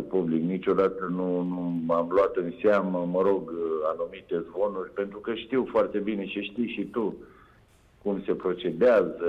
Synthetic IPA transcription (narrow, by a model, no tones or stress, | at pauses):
publiknit͡ʃo̞d̪at̪ənunuamloat̪ɨnseaməməɾo̞ɡanumit̪e̞zbo̞nurʲpe̞nt̪ɾukəʃt̪iwfoart̪e̞bine̞t͡ʃeʃt̪ijʃit̪u | kumse̞pɾo̞t͡ʃe̞d̪eazə